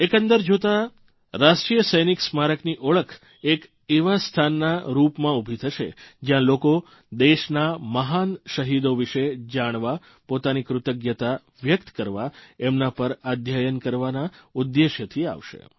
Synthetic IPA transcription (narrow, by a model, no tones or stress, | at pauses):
ekə̃nd̪əɾd͡ʒot̪a | ɾaʃʈɾijəsəjniksmaɾəkʰniʔoɭəkʰ | ek | eʋast̪ʰanːaɾupmãubʱit̪ʰəʃḛd͡ʒjãloko | d̪eʃnaməɦanʃəɦid̪oʋiʃed͡ʒaɽ̃ʋa | pot̪anikɾʊt̪əɡjət̪a | ʋjəkt̪kəɾʋaemnapəɾad̪ʱjajənkəɾʋanaud̪ːeʃjət̪ʰia̰ʋʃḛ